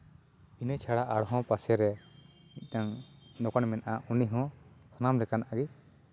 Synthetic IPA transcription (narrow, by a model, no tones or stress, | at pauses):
inɛt͡ʃʰaɽaʔaɽɦɔ̃pasɛɾɛ | iˀtaŋnɔkanmɛnʔaʔuniɦɔ̃ | sanamlɛkanaɡi